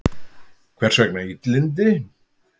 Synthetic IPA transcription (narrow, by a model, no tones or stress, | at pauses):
kʰvɛr̥sœknait̪lɪnt̪̬ɪ